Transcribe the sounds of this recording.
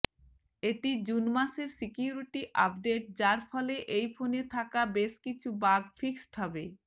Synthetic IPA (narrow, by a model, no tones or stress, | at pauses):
eʈid͡ʑunmaseɾsikiuɾiʈiʔap̚ɖeʈ̚d͡ʑaɾfɔleʔejfonet̪ʰakabeʃkit͡ɕʰubaɡfiksʈɦɔbe